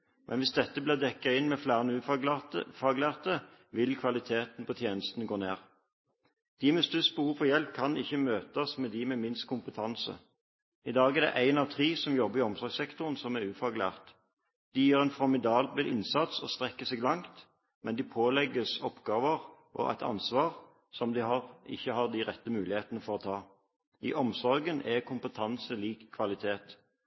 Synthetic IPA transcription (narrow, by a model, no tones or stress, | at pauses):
mʔɛ̰nʋɪsd̪ɛt̪ːəblɪːʁd̪ɛkːɑɪnmɛflæːʁənəʉː | fɑɡlæːʁt̪əʋɪlkʰʋɑlɪt̪ʰeːt̪n̩pʰɔt̪ʰjeːnəst̪ənəɡoːneːʁ | d̪̥iːmɛst̪ʉsbhuːfɔʁjɛlp̚kʰɑnɪçːəmøːt̪ɑsmɛd̪imɛmɪnst̪̚kʰʊmpət̪ʰɑnsə̰ | ɪd̪ɑːɡɛʁd̪ɛ̰ʔæɪnɑʋt̪ʰʁiːsɔmjɔbːəʁɪɔmsɔɾɡsɛkt̪ʊʁənsɔmæʉːfɑɡlæ̰ːʁt̪ | d̪̥ɪjiːʁɛnfɔɾmɪd̪ɑːblbəlʔɪnsɑt̪sɔ̰st̪ʁɛkːəsɛːɡlɑŋt̪ | mʔɛnd̪ɪpʰoːlɛɡəsɔpɡɑːʋəʁ | ʔɔ̰ʔæ̰ɪt̪ʰɑ̰nsʋɑːʁ | sɔmd̪ɪhɑʁɪ̰çːəhɑd̪ɪʁɛt̪ːəmʉːlɪheːt̪ənəfɔʁɔːt̪ʰɑː | ḭʔɔmsɔɾɡənʔɛkʰʊmpət̪ʰɑnsəliːkʰːʋɑlɪt̪ʰeːt̪